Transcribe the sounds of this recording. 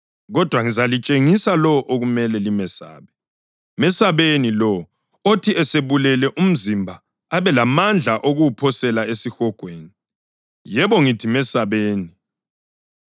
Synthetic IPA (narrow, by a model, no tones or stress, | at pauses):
ɣɔd̥ʱwaŋizalit͡ʃʼeŋisalɔʔoɣumɛlɛlimɛsa̰ːβɛ | mɛsaβenilɔ | otʰiɛseβulɛlɛʔum̩zimbʱa | aβɛlamand͡ɮʱaʔoɣuwupʰɔsɛlaesixɔɡ̥ʱweːni | jɛβɔŋitʰimɛsaβeːni